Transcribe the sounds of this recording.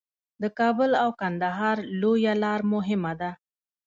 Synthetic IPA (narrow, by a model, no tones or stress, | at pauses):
d̪əkɑbəlawkand̪aɦɑɾlojalɑɾmʊɦɪmad̪a